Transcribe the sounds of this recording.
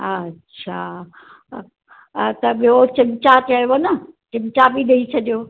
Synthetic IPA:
ɐtːɕʰa | t̪ɐbiot͡ɕɪmt͡ɕat̪ajonɐt͡ɕɪmt͡ɕabiɗɐit͡ɕʰɐɗijoː

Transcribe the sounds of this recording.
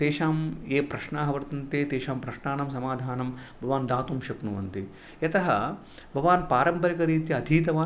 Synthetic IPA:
t̪eːʃaːmeːpɾɐʃɳaːɦɐʋɐɾt̪ɐnt̪eːt̪eːʃaːmpɾɐʃɳaːnɐmsɐmaːd̪ʱaːnɐmbʱɐʋaːnd̪aːt̪umʃɐknuʋɐnt̪i | jɐt̪ɐɦɐ | bʱɐʋaːnpaːɾɐmpɐɾikɐɾiːt̪jɐːd̪ʱiːt̪ɐʋaː

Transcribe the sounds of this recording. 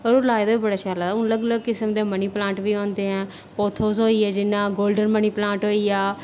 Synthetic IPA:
ɔɾoːlaːjd̪aːbiːbəɽaːʃaːlaːd̪aʊnləɡləɡ̚kɪsəmd̪eːməniːplãːʈʋiːõːnd̪eːɦɛ̃ː | poːt̪ʰoːzɦoːiːɛːd͡ʒɪnːãːɡoːlɖənməniːplãːɳʈɦoːiːaː

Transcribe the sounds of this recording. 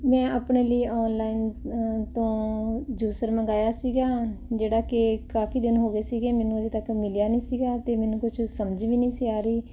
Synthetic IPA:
mɛ̃ːapɳeːləiːɔːnlaːint̪õːd͡ʒuːsəɾməɡaːjaːsiːɡaːd͡ʒeːɽaːkɪkaːpʰiːd̪ɪnɦoːɡeːsiːɡeːmɛːnũːəd̪eːt̪əkmɪlijaːnĩːsiːɡaːt̪eːmɛːnũːkʊt͡ʃʰsəmd͡ʒʋiːnĩːsiːaːɾəiː

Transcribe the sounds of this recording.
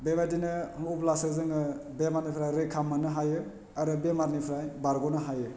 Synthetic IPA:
bebadinɯupʰlasɯzɯŋɯbemaɾnipʰɾajɾekʰamanɯɦajɯ | aɾɯbemaɾnipʰɾajbaɾɡɔnɯɦajɯ

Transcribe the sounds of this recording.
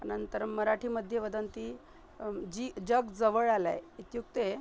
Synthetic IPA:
ənənt̪əɾməɾaʈʰiːməd̪ʱːjeʋəd̪ənt̪i | d͡ʑid͡ʑəɡd͡zəʋəɭala̰jit̪juk̚t̪e

